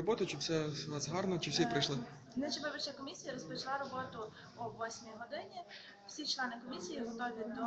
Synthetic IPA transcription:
ɔbɔt̪ʊt͡ʃɪfsʲɛnɑzɦɑrnɔt͡ʃɪwsʲipɾɪjʃlˠɪ | nɛt͡ʃɪbɔbʲɪt͡ʃʲɐkɔmʲisʲijɐɾɔspɔt͡ʃɪlˠaɾɔbɔt̪ʊ | uʋɔsʲmʲiɦɔd̪ɪnʲi | w̥sʲit͡ʃlˠɛnɪkɔmʲisʲijiɦɔt̪ɔʋʲid̪ɔ

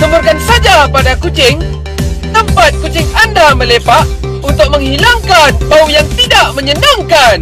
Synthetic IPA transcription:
t̪əmurkansad͡ʒapadakut͡ʃɪŋ | t̪əmpat̪̚kut͡ʃɪŋandamə̃lepaʔ | unt̪ʊk̚məŋɦilaŋkanbaujaŋt̪idaʔməɲənaŋkan

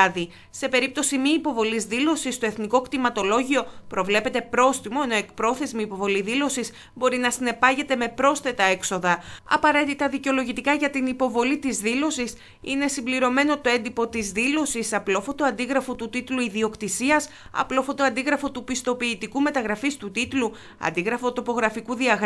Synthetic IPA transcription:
ði | se̞pe̞ɾip̚t̪o̞simiːpo̞vo̞lizðilo̞sist̪oe̞θniko̞kt̪imɐt̪o̞lo̞ʝio̞pɾo̞vle̞pe̞t̪e̞pɾo̞sθimoeno̞e̞k̚pɾo̞θe̞zmiipo̞vo̞liðilo̞sis | bo̞ɾinɐsine̞pɐʝe̞t̪e̞me̞pɾo̞sθe̞t̪ɐe̞kso̞ðɐɐ̰pɐɾe̞t̪it̪ɐðiceo̞lo̞ʝit̪ikɐʝɐt̪inipo̞vo̞lit̪izðilo̞sis | ḭne̞simbliɾo̞me̞no̞t̪o̞e̞nd̪ipo̞t̪izðilo̞sisɐplofo̞t̪oɐnd̪iɣɾɐfo̞t̪ut̪it̪luiðio̞kt̪isiɐs | ɐ̰plo̞fot̪o̞ɐnd̪iɣɾɐfo̞t̪upist̪o̞piːt̪ikume̞t̪ɐɣɾɐfist̪ut̪it̪lu | ɐ̰nd̪iɣɾɐfo̞t̪o̞po̞ɣɾɐfikuðiɐɣ

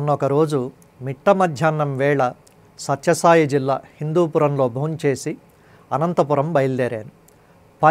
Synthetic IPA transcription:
munːɔkɐɾo̞ːd͡ʒu | miʈːɐmɐd̪ʱjaːnːɐmʋɛːɭɐ | sɐtʃɐsaːjid͡ʒilːa̰ːhind̪uːpuɾɐmlo̞ːbʱɐnt͡ʃe̞ːsi | ɐnɐnt̪ɐpuɾɐmbɐjlːeːɾḛːnu | pɐ

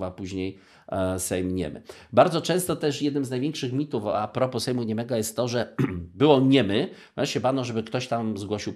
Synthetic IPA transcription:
vapuʑɲej | sɛjmɲɛ̰mɘ̰baɾd̪zɔt͡ʂɛ̃w̃st̪ɔt̪ɛʂjɛd̪nɘmznajvʲeŋkʂɘxmʲit̪ufapɾɔpɔsɛjmuɲɛmɛɡɔjɛst̪ːɔʐɛbɘwɔɲɛmɘvɾɛ̃ʂt͡ɕɛbanɔʐɛbɘkt̪ɔɕt̪amzɡwɔɕiw

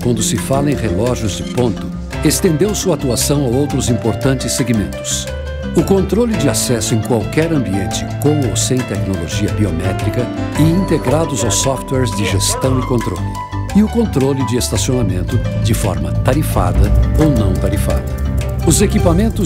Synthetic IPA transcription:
kwɐ̃nd̪ʊsɪfalɐẽj̃ʁelɔʒjʊzd͡ʒɪpõnt̪ʊ | est̪ẽnd̪ewsuat̪uasɐ̃w̃awowt̪ɾʊzĩmpoɾt̪ɐ̃nt͡ʃɪsːeɡimẽnt̪ʊ̥s | ʊkõnt̪ɾolɪd͡ʒɪasɛsʊẽj̃kwawkɛɾɐ̃mbiẽnt͡ʃɪ̥kõmosẽj̃t̪ɛknoloʒiɐbiomɛt̪ɾikɐ | ɪĩnt̪eɡɾad̪ʊzawsɔft̪wɛɾzd͡ʒɪʒest̪ɐ̃w̃ɪkõnt̪ɾo̰lɪ | ɪʊkõnt̪ɾolɪd͡ʒɪest̪asionamẽnt̪ʊd͡ʒɪfɔ̰ɾmɐt̪aɾifa̰d̪ɐownɐ̃w̃t̪aɾifa̰d̪ɐʊzekipamẽnt̪ʊ

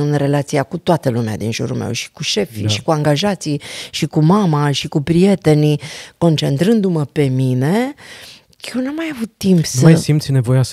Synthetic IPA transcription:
ɨnre̞lat̪siakut̪oat̪əlumea̰d̪inʒṵɾṵlmḛwʃi̥kuʃe̞fḭʃi̥kuaŋɡaʒat̪siʃikumamaʃikupɾije̞t̪e̞niko̞nt͡ʃe̞nt̪ɾɨnd̪uməpe̞mine̞ | jewnamajavut̪ːimpsəajsimt̪sʲne̞vo̞jas

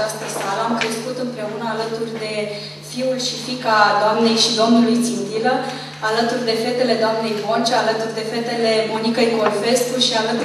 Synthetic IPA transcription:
ast̪əsaləamkɾe̞skut̪ɨmpɾe̞unəalət̪urʲd̪e̞ | fiulʃifikad̪oamne̞jʃid̪o̞mnulujt̪sind̪ilə | alət̪urʲd̪e̞fe̞t̪e̞le̞d̪oamne̞jvo̞nt͡ʃealət̪urʲd̪e̞fe̞t̪e̞le̞mo̞nikəjko̞lfe̞skuʃialət̪u

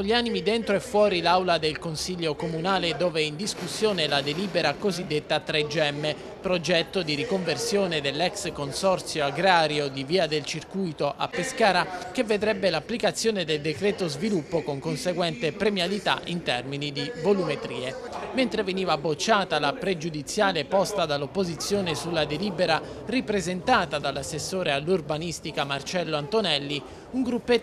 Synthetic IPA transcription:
olʎːianimid̪ent̪ɾoɛfːwɔːɾilawlad̪elkonsiʎːokomunaːled̪oːveind̪iskusːjoːnelad̪eliːbeɾakozid̪ːet̪ːat̪ɾed͡ʒɛmːe | pɾod͡ʒɛt̪ːod̪iɾikoɱversjoːned̪elːɛkskonsɔrt̪sjoaɡɾaːɾjod̪iviːad̪elt͡ʃirkujt̪oʔa̰pːeskaːɾakevːed̪ɾɛbːelapːlikat̪sːjoːned̪eld̪ekɾɛːt̪ozvilupːokoŋkonseɡwɛnt̪epɾemjalit̪a̰ʔint̪ɛrminid̪ivolumet̪ɾḭːe | ment̪ɾeveniːvabot͡ʃːaːt̪alapɾed͡ʒud̪it̪sːjaːlepɔst̪ad̪alːopːozit̪sːjoːnesulːad̪eliːbeɾa | ripɾezent̪aːt̪ad̪alːasːesːoːɾealːurbanist̪ikamart͡ʃɛlːoant̪onɛlːi | uŋɡɾupːe

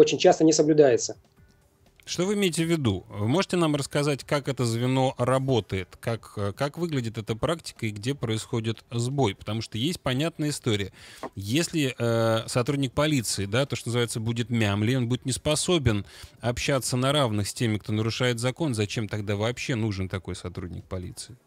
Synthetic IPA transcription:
ot͡ɕɪnʲt͡ɕast̪ənʲɪsəblʲʊd̪ajɪt̪sə | ʂt̪o̞vɨɪmʲeɪtʲɪvʲːɪd̪uvɨmo̞ʐɨtʲɪnamrəskɐzatʲkakɛt̪əzvʲɪno̞rɐbo̞t̪əjɪt̪kakəkakvɨɡlʲɪdʲɪt̪ɛt̪əpɾaktʲɪ̥kəɪɡdʲe̞pɾəɪsxo̞dʲɪt̪zbo̞jpə̥t̪ɐmuʂt̪ojesʲt̚ʲpɐnʲat̪̚nəjəɪst̪o̞ɾʲɪjəjesʲlʲɪʔəsɐt̪ɾudʲnʲɪk̚pɐlʲit̪sɨɪd̪at̪o̞ʂt̪onzɨvajɪt̪səbudʲɪt̪mʲamlʲɪo̞nbudʲɪt̪nʲɪspɐso̞bʲɪnɐpɕːat̪sənɐɾavnɨxsʲtʲemʲɪkt̪o̞nəɾʊʂajɪt̪zɐko̞nzɐt͡ɕe̞mt̪ɐɡd̪avɐːpɕːe̞nuʐɨnt̪ɐko̞jsɐt̪ɾudʲnʲɪ̰k̚pɐlʲḭt̪sɨɪ

